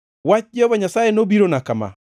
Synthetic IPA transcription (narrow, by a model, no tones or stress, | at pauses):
wat͡ʃd͡ʒɔβaɲasajenobiɾonakama̰